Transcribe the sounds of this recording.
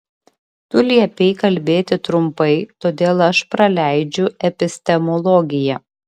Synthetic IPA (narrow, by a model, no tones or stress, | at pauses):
t̪ʊlʲiɛpʲɛɪkɐlʲbʲeːt̪ʲɪt̪ɾʊmpɐɪt̪oːd̪ʲeːlˠɐʃpɾɐlʲæˑɪd͡ʒʲʊɛpʲɪsʲt̪ʲɛmɔlˠɔɡʲɪjɛ